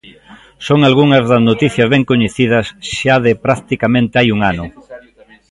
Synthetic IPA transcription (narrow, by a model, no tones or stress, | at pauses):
soŋalɣuŋɐzðɐznot̪iθjɐzβɛŋkoɲeθið̞ɐsʃaðɪpɾakt̪ikamẽnt̪ɪajuŋanʊ